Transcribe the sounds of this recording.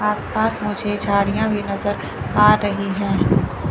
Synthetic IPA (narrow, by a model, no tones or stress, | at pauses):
aːspaːsmʊd͡ʒʱed͡ʒʱaːɽijãbʱinɐzəɾ | aːɾɐɦiɦɛ̃ː